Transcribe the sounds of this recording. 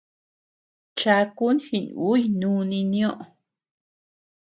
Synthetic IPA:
t͡ʃa˧ku˦nhi˧nu˦jnũː˦nĩ˧nĩ˦õ˦ʔo˨

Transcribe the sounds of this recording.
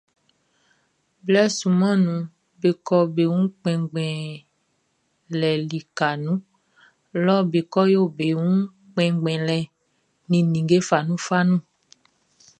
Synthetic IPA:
blɛ˦su˨mã˦nũ˨ | be˨kɔ˦be˨ŋũ˦k͡pɛ̃˨ɡ͡bɛ̃˨ | lɛ˨li˨ka˨nũ˦ | lɔ˦be˨kɔ˦jo˦˨be˨wũ˦ | k͡pɛ̃˨ɡ͡bɛ̃˨lɛ˨ | nĩ˨nĩ˨ɡe˦fa˨nũ˦fa˦nũ˦

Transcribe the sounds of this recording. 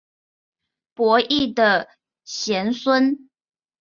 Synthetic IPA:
pwɔ˧˥ʔi˥˩d̪ə˨ | ɕjɛ˧˥nswə˥n

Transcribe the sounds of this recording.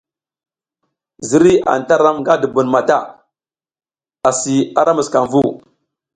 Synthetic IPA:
zi˦ɾi˦a̰˨n˨ta˦ɾa˦mŋɡa˦du˨bu˨nma˨ta˦˨ | a˨si˨a˨ɾa˦mu˨ska˨nvu˦

